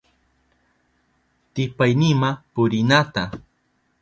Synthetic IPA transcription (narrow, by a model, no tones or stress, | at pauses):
t̪ɪpajnɪmapʊɾɪnat̪a